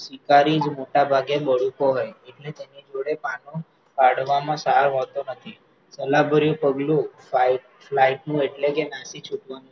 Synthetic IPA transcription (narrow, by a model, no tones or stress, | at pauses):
sikaɾid͡ʒmoʈabʱaɡeɓəɽ̤ukoɦojeʈlet̪enid͡ʒoɽepanõ | kaɽʋamãsaɾɦot̪onət̪ʰi | səlabʱəɾjũpəɡlũfaiʈ | flaiʈnũeʈlekenasit͡ʃʰuʈʋanũ